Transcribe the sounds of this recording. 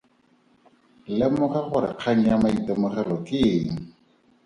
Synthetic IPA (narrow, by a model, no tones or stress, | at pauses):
lɪmʊχɛχʊɾɪ̰q͡χʰaŋ̩jamaitɔmʊχɛlɔkɪːŋ̩